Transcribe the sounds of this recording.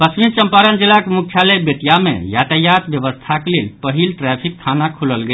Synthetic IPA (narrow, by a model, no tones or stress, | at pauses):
pəsʋint͡ʃəmpaɾənd͡ʒilːakemukʰjalebet̪jamḛjat̪əjat̪bjəʋəst̪ʰakelelpəɦilʈɾɛpʰik̚t̪ʰanakʰuləlɡə